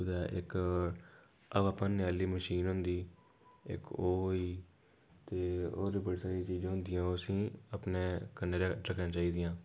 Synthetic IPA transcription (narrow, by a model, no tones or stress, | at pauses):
ʊd̪aːʔɪk | əʋaːpãːnɪjaːliːməʃiːnɦʊnd̪iː | ɪ̰koːoiː | t̪eːo̰ːɾiːbəɽiːsaːɾiːt͡ʃiːd͡ʒãːɦʊnd̪ɪjãːoːəsĩːəpneːkənːeːɾɾəkʰnãːt͡ʃaːiːd̪ɪjãː